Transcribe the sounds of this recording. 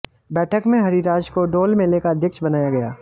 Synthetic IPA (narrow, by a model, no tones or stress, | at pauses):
bɛːʈʰəkmẽɦɐɾiɾaːd͡ʒkoɖoːlmẽleːkad̪ɪkʃbɐnaːjaɡɐjaː